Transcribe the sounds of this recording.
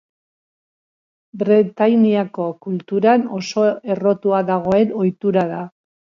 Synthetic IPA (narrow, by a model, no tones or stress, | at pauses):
bɾet̪ajniako̞kult̪uɾano̞so̞e̞ro̞t̪uaðaɣ̞o̞e̞no̞jt̪uɾaða